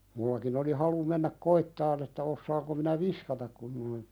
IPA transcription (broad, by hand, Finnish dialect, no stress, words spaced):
mulːɑkin oli hɑlu menːæk koitːɑn etːæ osːɑːŋko minæ ʋiskɑtɑk kun noin